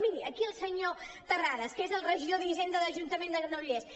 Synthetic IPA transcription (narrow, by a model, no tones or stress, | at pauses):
miɾiəkiəlˠsəɲot̪əraɾəskezəlˠrəʒiðoðizend̪əðəʒunt̪əmend̪əɣɾənuʎes